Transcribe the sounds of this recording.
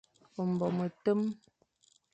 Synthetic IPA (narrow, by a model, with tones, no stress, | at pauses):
o˨m̩˨bɔ˨mə˨tə˦m